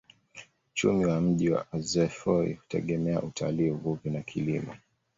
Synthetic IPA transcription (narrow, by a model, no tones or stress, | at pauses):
ut͡ʃumiwam̩ʄiwa̰azɛfɔḭhu̥tɛ̰ɠɛmɛa̰ʔutʰa̰liːuvuvinakʰilimɔ